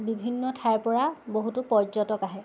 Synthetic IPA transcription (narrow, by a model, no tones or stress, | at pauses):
bibʱinːɔtʰajpɔɹaboɦutupɔɹd͡ʒɔtɔkaɦɛ